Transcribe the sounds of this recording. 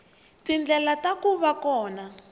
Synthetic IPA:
tind͡ɮɛlatakuβakɔːna

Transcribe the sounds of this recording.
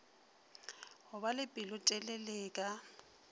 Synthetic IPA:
hʊbalɪpʼilʊtʼɛleleːkʼa

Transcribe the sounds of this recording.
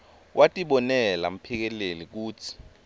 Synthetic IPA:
wʔatʼiɓɔnɛlam̩pʰik̬ɛlelik̬uːt͡sʰi̥

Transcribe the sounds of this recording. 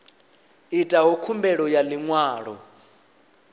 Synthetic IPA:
itʼaɦɔkʰumbɛɺɔjaliŋwaːɺɔ

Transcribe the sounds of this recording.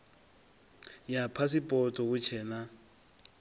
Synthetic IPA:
japʰasipʼɔtʼɔk̬ut͡ʃʰɛːna

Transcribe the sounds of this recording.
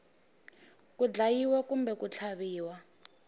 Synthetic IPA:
kud͡ɮajiwɛkumbɛkut͡ɬʰaβiːwa

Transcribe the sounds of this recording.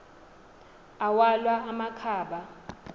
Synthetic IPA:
awalwaːmakʰaːɓa

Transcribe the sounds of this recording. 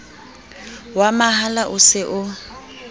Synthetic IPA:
wamaɦalaʔʊsɪʔʊ

